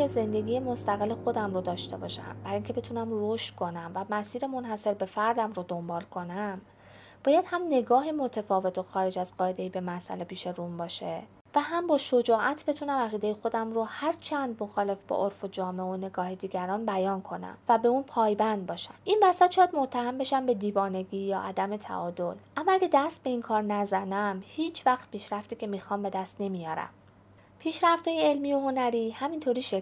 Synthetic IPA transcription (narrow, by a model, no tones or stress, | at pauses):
eze̞nd̪e̞ɡiːjemost̪æɣe̞lːexo̞d̪æmɾod̪ɒːʃt̪e̞bɒ̰ːʃæ̰mbæɾiŋcʰe̞be̞t̪ʰunæmroʃt̪kʰo̞næmvæmæsiːɾe̞mo̞nhæse̞ɾbe̞fæɾd̪æmɾod̪o̞mbɒːlkʰo̞næm | bɒːjæd̪̥hæmne̞ɡɒːɦemo̞t̪ʰefɒːve̞t̪ʰoxɒːɾe̞d͡ʒæzɢɒːe̞d̪e̞iːbe̞mæsʔæ̰le̞pʰiːʃe̞ɾumbɒːʃe | væhæmbɒːʃod͡ʒɒːʔæt̪ʰbe̞t̪ʰunæmæɣiːd̪ejexo̞d̪æmɾohæɾt͡ʃʰænd̪mo̞xɒːle̞fbɒ̰ʔoɾfod͡ʒɒːmeone̞ɡɒːhed̪iːɡæɾɒːnbæjɒːnkʰo̞næ̰mvæbe̞uːnpʰɒːjbænd̪̚bɒːʃæmʔinvæsæt̪̚t͡ʃʰɒjæd̪mot̪ʰːæhæmbe̞ʃæmbe̞d̪iːvɒːne̞ɡiːjɒːʔæd̪æme̞t̪ʰæ̰ʔɒːd̪o̞lʔæmːɒæɡæd̪æst̪̚be̞iːnkʰɒːɾnæzænæmhiːt͡ʃʰvæxt̪̚pʰiːʃɾæft̪iːcʰe̞miːxɒːmbe̞d̪æst̪ne̞mijɒːɾæ̰m | pʰiːʃɾæft̪ɒːjeelmiːoho̞næɾiːhæmint̪ʰoɾiːʃe